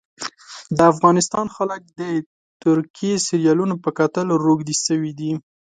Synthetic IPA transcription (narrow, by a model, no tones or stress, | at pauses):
d̪əafɣɑnɪst̪ɑnxalək̚d̪ə | t̪ʊɾkijesiɾjɑlunopəkat̪əlɾoɡd̪isəwid̪i